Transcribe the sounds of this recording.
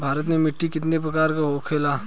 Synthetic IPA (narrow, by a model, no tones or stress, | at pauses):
bʱaːɾət̪̬nemɪʈːikɪt̪nep̬ɾɐkaːɾkaɦoːkʰːeːlaː